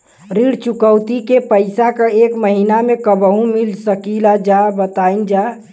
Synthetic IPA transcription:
ɾiɽt͡ʃukəwt̪ikepəɪsakəekməɦinamekəbəɦũmilsəkilad͡ʒabət̪aind͡ʒa

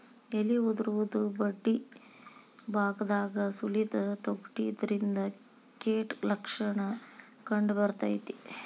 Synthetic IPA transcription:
eliud̪ɾuʋud̪ubɐɖːi | baːɡd̪aːɡɐsulit̪ɐt̪oɡʈid̪ɐɾind̪ɐ | keːʈlɐkʂɐɳɐ | kɐɳɖbɐɾt̪a̰jt̪i

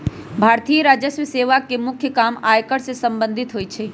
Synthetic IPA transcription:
bʱaːɾt̪ijəɾaːd͡ʒəsʋəseːʋakemʊkʰjəkaːmaːjkəɽsesə̃mbə̃nd̪ʱɪt̪ɦoːit͡ʃʰe

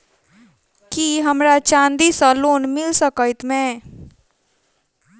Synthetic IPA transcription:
kiɦəmɾat͡ʃãːnd̪isəloːnmɪlsəkəɪt̪mẽ

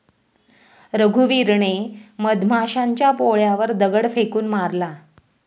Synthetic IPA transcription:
ɾəɡʱuʋiɾɳeməd̪mʱaʂaɲt͡ɕjapoɭjaʋəɾd̪əɡəɽfekuːnmaɾla

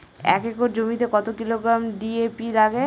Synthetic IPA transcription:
ɛ̰kekoɾd͡ʑomit̪ekɔt̪okiloɡɾamɖiepilaɡe

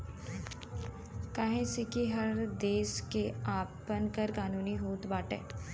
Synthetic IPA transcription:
kaːɦẽsekiɦɐɾd̪eːʃkeaːpənkəɾkaːnuːniɦoːt̪baːʈɛ̰ː

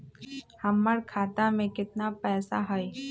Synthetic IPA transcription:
həmːəɽkʰaːt̪ãmẽkɪt̪napɛːsaɦəj

